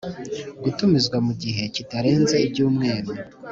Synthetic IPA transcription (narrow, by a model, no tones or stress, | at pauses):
ɡutumizɡwamuɟiɦe̞citaɾe̞ːnze̞ibɟuːmŋe̞ːɾu